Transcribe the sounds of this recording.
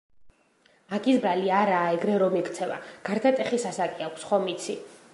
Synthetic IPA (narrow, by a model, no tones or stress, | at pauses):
aɡisbɾaliaɾaːɛɡɾɛɾɔmɛkʰt̪sʰɛva̰ɡ̥aɾd̪at̪ʼɛχisasakʼiakʷʰsχɔmit̪sʰi